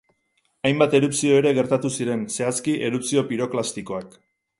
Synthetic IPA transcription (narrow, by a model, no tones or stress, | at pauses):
ajmbat̪e̞ɾupsio̞eɾe̞ɣe̞ɾt̪at̪usiɾe̞nse̞askiʔe̞ɾupsio̞piɾo̞klast̪iko̞ak